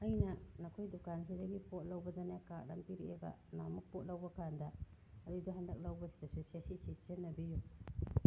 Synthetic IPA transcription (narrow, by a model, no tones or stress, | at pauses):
ɐjnɐnɐkʰojdukansʰidɐɡipʰot̚lɐwbɐdanjakak̚ɾa̰mpiɾiebɐ̰na̰mɐk̚pot̚lɐwbɐkʰandɐːduduɦandɐ̰k̚lɐwbɐsi̥dasesesisisenɐbiju